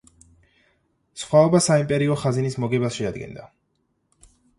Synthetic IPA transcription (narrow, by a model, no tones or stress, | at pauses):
sχwaɔbasaimpʼɛɾiɔχazinismɔɡɛbasʃɛad̪ɡɛ̰nd̪a